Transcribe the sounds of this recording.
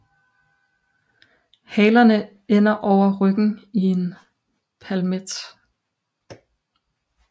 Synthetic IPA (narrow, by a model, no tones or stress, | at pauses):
hɛːlɐnə | en̰ɐʔɒʊ̰ɐʁœɡ̥n̩ie̝n | pʰælmed̥